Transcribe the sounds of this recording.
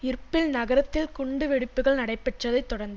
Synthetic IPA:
ɪɾpːɪlnɐɣɐɾɐt̪ːɪlkʊɳɖɯʋɛɽɯpːɯɣɐɭnɐɽɐɪpːɛʈːrɐðɐɪt̪ːɔɽɐɾnd̪

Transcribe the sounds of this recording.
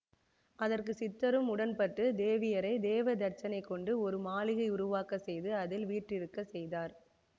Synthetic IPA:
ʔɐðɐrk̬ɯsɪt̪ːɐɾɯmʊɽɐnpɐʈrɯd̪eːʋɪjɐɾɐɪd̪eːʋɐd̪ɐɾt͡ʃːɐnɐɪkːɔɳɖɯɔɾɯmaːlɪɣɐɪʊɾʊʋaːkɐsɛjðɯɐðɪlʋiːʈrɪɾɯkːɐsɛjðaːɾ

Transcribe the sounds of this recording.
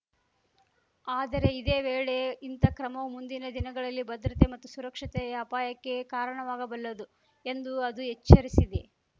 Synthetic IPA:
aːd̪ɐɾe̞id̪e̞ːʋeːɭe̞int̪ɐkɾɐmɐʋumund̪inɐd̪inɐɡɐɭɐlːibɐd̪ɾɐt̪e̞mɐt̪ːusuɾɐkʂɐt̪ɛjaːpaːjɐkːe̞kaːɾɐɳɐʋaːɡɐbɐlːɐd̪u | e̞nd̪uɐd̪uɦet͡ʃːɐɾisid̪e̞

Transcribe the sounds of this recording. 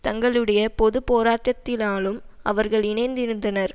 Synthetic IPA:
t̪ɐŋɡɐɭɯɽɐjɐpɔðɯpoːɾaːʈːɐt̪ːɪlaːlɯmɐʋɐɾɣɐɭɪnɐɪnd̪ɪɾɯnd̪ɐnɐɾ

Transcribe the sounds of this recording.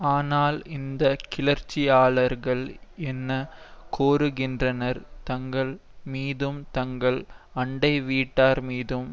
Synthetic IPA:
aːnaːlɪnd̪ɐkɪlɐɾt͡ʃːɪaːɭɐɾɣɐɭɛnːɐkoːɾɯɣɪndrɐnɐɾt̪ɐŋɡɐɭ | miːðɯmt̪ɐŋɡɐɭɐɳɖɐɪʋiːʈːaːɾmiːðɯm

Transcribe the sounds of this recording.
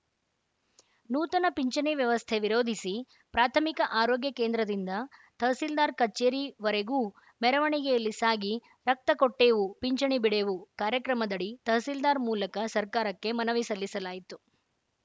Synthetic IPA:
nuːt̪ɐnɐpiɲt͡ʃɐɳiʋjɐʋɐst̪ʰeʋiɾoːd̪ʱisi | pɾaːt̪ʰɐmikɐʔaːɾoːɡjɐkeːnd̪ɾɐd̪ind̪ɐt̪ɐɦsild̪aːɾkɐt͡ʃːeːɾiʋɐɾeɡuː | mɛɾɐʋɐɳiɡɛjɐlːisaːɡi | ɾɐk̚t̪ɐkoʈːeːʋupiɲt͡ʃɐɳibiɽeʋukaːɾjɐkɾɐmɐd̪ɐɽit̪ɐɦsild̪aːɾmuːlɐkɐsɐɾkaːɾɐkːe̞mɐnɐʋisɐlːisɐlaːjit̪u

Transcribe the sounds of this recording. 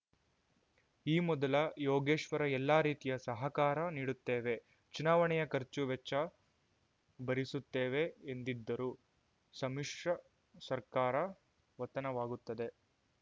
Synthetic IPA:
iːmɔd̪ɐlɐjɔːɡeːʂʋɐɾɐɛlːaːɾiːt̪ijɐsɐɦɐkaːɾɐniːɽut̪ːeːʋe̞ | t͡ʃunaːʋɐɳɛjɐkɐɾt͡ʃuʋɛt͡ʃːɐ | bɐɾisut̪ːeːʋe̞ːnd̪id̪ːɐɾu | sɐmiʂʂɐ | sɐɾkaːɾɐ | ʋɐt̪ːɐnɐʋaːɡut̪ːɐd̪e̞

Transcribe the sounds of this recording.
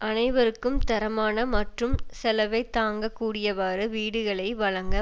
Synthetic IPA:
ʔɐnɐɪʋɐɾɯkːɯmt̪ɐɾɐmaːnɐmɐʈrɯmsɛlɐʋɐɪt̪ːaːŋɡɐkːuːɽɪjɐʋaːɾɯʋiːɽɯɣɐɭɐɪʋɐɻɐŋɡɐ

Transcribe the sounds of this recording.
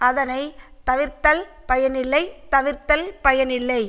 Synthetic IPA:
ɐðɐnɐɪ | t̪ɐʋɪɾt̪ɐl | pɐjɐnɪlːɐɪt̪ɐʋɪɾt̪ɐlpɐjɐnɪlːɐɪ

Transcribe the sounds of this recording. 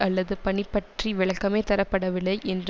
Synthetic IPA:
ɐlːɐðɯpɐɳɪpːɐʈriʋɪɭɐkːɐmeːt̪ɐɾɐpːɐɽɐʋɪɭːɐɪʔɛndr

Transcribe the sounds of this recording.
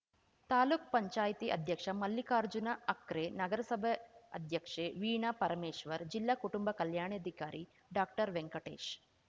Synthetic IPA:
t̪aːluːk̚pɐɲt͡ʃaːjɐt̪iʔɐ̰d̪ʱjɐkʂɐmɐlːikaːɾd͡ʒunaʔɐkɾenɐɡɐɾɐsɐbʱɐɐd̪ʱjɐkʂeːʋiːɳɐpɐɾɐmeːʂʋɐɾd͡ʒilːaːkuʈumbɐkɐljaːɳeɐd̪ʱikaːɾi | ɖaːk̚ʈɐɾʋeŋkɐʈḛːʃ

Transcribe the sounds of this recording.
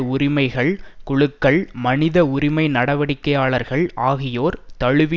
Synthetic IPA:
ʊɾɪmɐɪɣɐɭkʊɭɯkːɐɭmɐnɪðɐʊɾɪmɐɪnɐɽɐʋɐɽɪkːɐjaːɭɐɾɣɐɭaːɣɪjoːɾt̪ɐɻɯʋɪ

